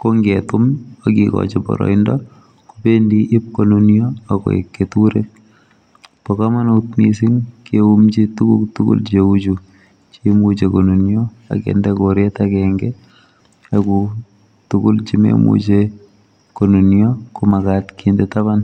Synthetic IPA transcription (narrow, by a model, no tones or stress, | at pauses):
koŋɡetʊmokikɔ̰t͡ʃɛbɔ̰ɾɔ̰indɔ | kupendiʔip̚konunjoakɔ̰ḛkːetuɾet̚ | pɔkamanout̚misinkeumt͡ʃitukṵktukṵlt͡ʃeut͡ʃu | t͡ʃimut͡ʃekonunjo | a̰kḛndɛkoɾetakɛŋɡɛ | aku | tukult͡ʃimḛmṵt͡ʃe | konunjɔkomakatkindɛtaβan